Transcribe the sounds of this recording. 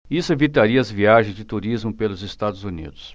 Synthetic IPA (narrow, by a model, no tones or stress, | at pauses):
isʊevit̪aɾiɐɐzviaʒẽzd͡ʒɪt̪uɾizmʊpelʊzest̪ad̪ʊzunḭd̪ʊs